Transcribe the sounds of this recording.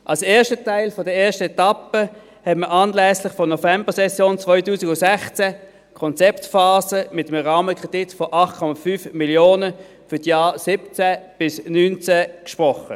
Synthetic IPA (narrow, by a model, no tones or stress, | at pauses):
ʔalseːɐʃtətʰaɪlfɔdəɐeːɐʃtəɛtapə | hɛtməʔaːnlɛːslɪχfɔnɔfɛmbəsɛsjoːnt͡svɔʏtuːsɪɡʊsɛχt͡sɛ | kʰɔnt͡sɛptfaːzəmɪtəmʁaːməkʁ̥ed̥ɪtfɔʔɑχt̚kʰɔmafyːfmiljoːnə | fʏɐsjaːsɪp̚t͡sɛb̥ɪsnyːnt͡sɛkʃpʁɔχə